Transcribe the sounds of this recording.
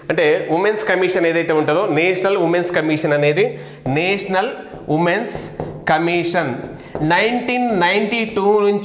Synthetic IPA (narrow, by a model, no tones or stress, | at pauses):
ɐɳʈe̞ːʋimenskɐmiʂɐne̞ːðɐjt̪eːuɳʈuɐd̪oːneːʂɐnɐlʋumenskɐmiʂɐnɐne̞ːd̪i | neːʂɐnɐl | ʋimenskɐmiːʂɐn | nɐjɳʈiːnːɐjɳʈiʈuːnuɲt͡ʃ